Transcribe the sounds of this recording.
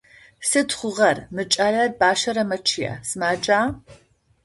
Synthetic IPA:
sɨtχʷʊʁɐrmɨt͡ʃʼaːɮɐrbaːʃɐɾɐmɐt͡ʃʰɪja̰ːsɨmaːd͡ʒaː

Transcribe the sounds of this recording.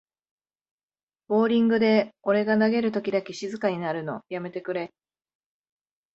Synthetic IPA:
b̥o̞ːɾʲĩŋɡɯ̟d̪e̞o̞ɾe̞ɡanaɡe̞ɾɯ̟t̪̬o̞kʲid̪akʲeɕizɨkaɲ̟inaɾɯ̟no̞̰jame̞t̪e̞kɯ̟ɾe̞

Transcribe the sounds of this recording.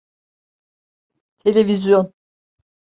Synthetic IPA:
t̪ʰe̞lʲevizjon

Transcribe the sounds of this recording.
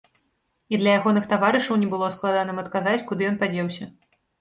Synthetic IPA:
id̪lʲɐjaɣɔnɨxt̪avaɾɨʂɐwnʲɛbɨlˠɔsklˠad̪anɨmɐt̪kazat͡sʲkud̪ɨjɔnpad͡zʲɛwsʲɐ

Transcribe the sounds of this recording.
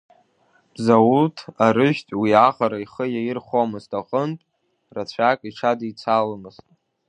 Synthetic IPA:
b̥zawutʰaɾɨʒᶣtʼwiaχaɾaiχəjajɪrχomɨztʰʼaχʼəntʼ | rat͡ɕʷʰakʼiʈ͡ʂʰadit͡sʰalmɨz̥tʼ

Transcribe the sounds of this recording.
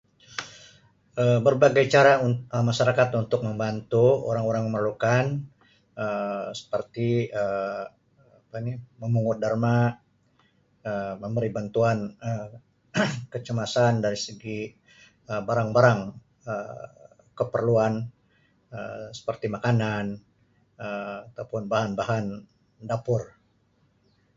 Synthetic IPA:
əbərbaɡajt͡ʃaɾauəmaʃaɾakat̪unt̪ʊk̚məmbant̪uo̰ɾaŋoɾaŋməmərlukan | əsə̥pərt̪iə | apaniməmuŋʊt̪̚dərma | əməmbəɾibant̪uanə | kət͡ʃəmasandaɾisəɡi | əbaɾaŋbaɾaŋ | ə | kəpərluan | ə̰sə̥pərt̪imakanan | əat̪awpʊnbaɦanbaɦan | dapʊr

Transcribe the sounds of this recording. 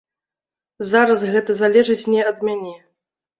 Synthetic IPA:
zaɾɐsɣɛt̪ɐzalʲɛʐɨt͡sʲnʲɛɐd̪mʲanʲɛ

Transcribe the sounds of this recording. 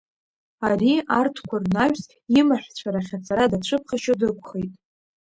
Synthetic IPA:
ariartʰkʷʰarnaɥʷᶣs | imaħʷᶣt͡ɕʷʰaɾaχʲat͡sʰʼaɾadaʈ͡ʂʷʰɨp̚ʰχaʃodɨkʷʰʼχejtʼ

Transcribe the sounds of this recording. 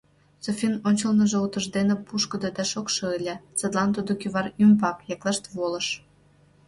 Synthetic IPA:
sofʲinonʲt͡ɕəlnəʒeut̪əʒd̪enepuʃkəd̪ɤd̪ɑʃokʃɤelʲet͡səd̪lɑnt̪ud̪okyβɑrymbɑkjɑklɑʃt̪βoləʃ

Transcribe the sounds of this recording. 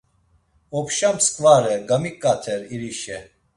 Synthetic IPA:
ɔpʰʃamskʼvaɾɛɡɐmikʼːat̪ʰɛɾiɾiʃɛ

